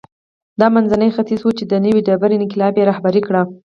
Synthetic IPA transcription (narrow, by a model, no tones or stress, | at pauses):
d̪ɑmanzanəjxat̪izwut͡ʃed̪ənəwiɖabaɾinkɪlɑbjeɾɑhbaɾikɽa